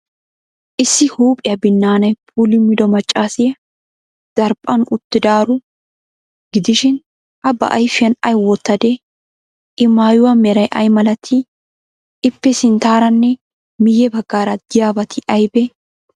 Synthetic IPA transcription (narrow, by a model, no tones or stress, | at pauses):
ʔɪsːɪhuːpʼɪjɐbɪnːaːnɐjpʰulɪmɪd̪ɔmɐt͡ʃʼːaːsɪjɐ | d̪̥ɐɾpʼɐnʊt̪ːɪd̪aːɾʊ | ɡ̥ɪd̪ɪʃɪn | ɐbɐ̰ʔɐjfɪjɐnɐjwɔt̪ːɐd̪ɛ | ɪmaːjʊwɐmɛɾɐjʔɐjmɐlɐt̪ʰːɪ | ɪpːɛsɪnt̪aːɾɐnːɛ | mɪjɛbɐɡːaːɾɐd̪̥ɪjaːbɐt̪ʰɪʔɐjbɛ